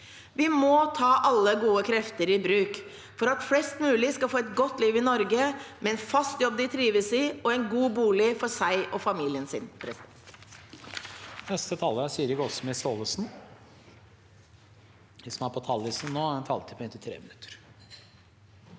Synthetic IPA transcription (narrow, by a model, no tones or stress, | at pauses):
ʋɪmɔt̪ʰɑːʔɑlːəɡuːəkʰɾɛft̪əɾɪbɾʉːk | fɔɾɑt̪flɛst̪mʉːlɪskɑlfoːɛt̪ɡɔt̪ːliːʋɪnɔɾɡəmʔɛɛnfɑst̪jɔb̚d̪ɪt̪ʰɾiːʋəsɪɔɛɪnɡuːbuːlɪfɔsæɪʔɔfɑmiːlɪənsɪnpʰɾɛs | nɛst̪ət̪ʰɑləsyːɾɪkɔsmɪsoːləsn | ʋɪsɔmæpʰɔt̪ʰɑlːɪsn̩noːæɾɛnt̪ʰɑ̰lt̪ʰɪpʰɔɛnt̪ɪt̪ʰɾḛːmɪnʉ̥t̪ʰːə̥ɾ